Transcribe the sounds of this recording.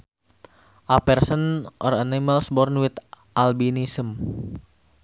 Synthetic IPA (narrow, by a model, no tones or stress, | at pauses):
ʔapɛrsənʔɔ̰raniməlsbɔrnwit̪ | ʔalbinisəm